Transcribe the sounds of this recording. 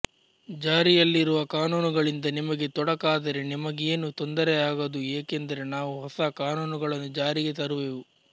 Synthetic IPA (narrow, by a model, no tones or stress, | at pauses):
d͡ʒaːɾijɐlːiɾuʋɐkaːnuːnuɡɐɭind̪ɐnimɐɡe̞t̪ɔɽɐkaːd̪ɐɾe̞nimɐɡeːnut̪ɔnd̪ɐɾeaːɡɐd̪ueːkend̪ɐɾe̞naːʋuɦɔsɐkaːnuːnuɡɐɭɐnːud͡ʒaːɾiɡe̞t̪ɐɾuʋeːʋu